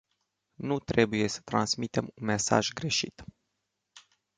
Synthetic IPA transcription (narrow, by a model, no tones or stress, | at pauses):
nut̪ɾe̞buje̞sə̥t̪ɾansmit̪e̞munme̞sa̰ʒɡɾe̞ʃit̪